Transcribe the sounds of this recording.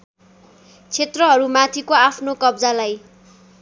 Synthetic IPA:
t͡sʰet̪rʌɦʌɾumat̪ʰikoapʰnokʌbd͡zalaj

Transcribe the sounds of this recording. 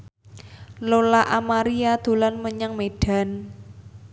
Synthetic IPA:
lolaʔamaɾiad̪̥o̤lanməɲaŋmeɖ̥a̤n

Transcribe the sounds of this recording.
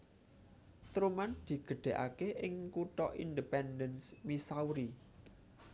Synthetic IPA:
t̪ɾumand̪̥i̤ɡ̥ə̤ɖ̪̥e̤ʔa̰keʔɪŋkuʈɔ̰ʔḭndipɛndənsmisauɾi

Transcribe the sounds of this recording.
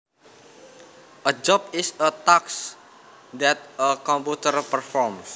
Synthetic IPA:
ʔəd͡ʒɔp̚ɪsət̪aks | d̪ɛt̪̚əkɔ̃mput̪ərpərfɔrms

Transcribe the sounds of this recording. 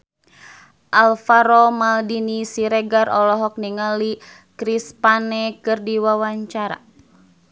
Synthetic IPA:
ʔalfaɾɔmaldinisiɾɛɡarɔlɔɦɔk̚niŋali | kɾispanɛkɨrdiwawaɲt͡ʃaɾa̰

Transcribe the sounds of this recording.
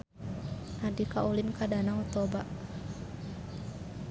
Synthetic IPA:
nadikaulinkadanaɔt̪ɔba

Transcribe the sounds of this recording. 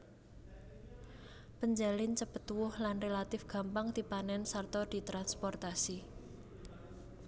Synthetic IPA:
pəɲd͡ʒalɪnt͡ʃəpət̪wʊhlanrelat̪ɪfɡ̥ä̤mpaŋd̪̥i̤panɛnsart̪ɔd̪̥i̤t̪ɾanspɔrt̪asi

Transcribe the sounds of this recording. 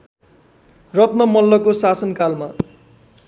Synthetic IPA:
rʌt̪̚nʌmʌlːʌkosasʌnkalma

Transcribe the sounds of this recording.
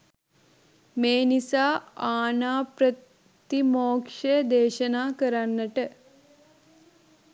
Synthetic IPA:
meːnisaːaːnaːpɾɐ | t̪imoːkʂed̪eːɕɐnaːkəɾanːɐʈə

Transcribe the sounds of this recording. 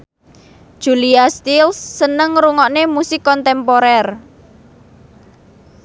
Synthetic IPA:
ʒ̥uliast̪ilsːənəŋɾuŋɔʔnemusɪkːɔnt̪ɛmpoɾɛr

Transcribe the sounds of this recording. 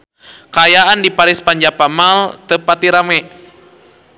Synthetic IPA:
kajaʔandipaɾispaɲd͡ʒapamalt̪əpat̪iɾamɛ

